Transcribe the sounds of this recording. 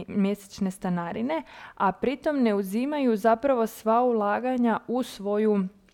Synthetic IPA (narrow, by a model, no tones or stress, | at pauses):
mje̞se̥t͡ʃne̞st̪anaɾine̞apɾit̪o̞mne̞uzimajuzapɾaʋo̞sʋaulˠaːɡaɲausʋo̞ju